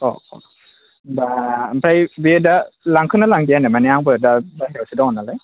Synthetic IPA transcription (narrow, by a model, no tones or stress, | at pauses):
ɔ̰kɔ̰ | bampʰɾajbiedalaŋkʰɯnalaŋdijanamaniaŋbɯdabaɦeɔsidaɔnːalaj